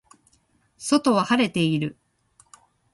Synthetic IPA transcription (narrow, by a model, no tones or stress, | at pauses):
so̞t̪o̞βahaɾe̞t̪e̞iɾɯ̟